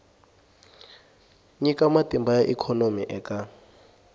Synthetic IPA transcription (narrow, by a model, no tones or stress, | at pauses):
ɲikʼamatʼimbajaʔikʰɔnomiʔɛkʼa